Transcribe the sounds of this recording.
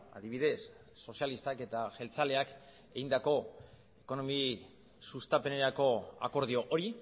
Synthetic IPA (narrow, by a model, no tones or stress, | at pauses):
a̰ðiβ̞iðe̞sː | o̞sialist̪ake̞t̪aʝe̞lt͡sale̞ak | e̞ɣind̪ako̞ | e̞ko̞no̞mi | sust̪ape̞ne̞ɾako̞a̰ko̞ɾð̞io̞ʔoɾi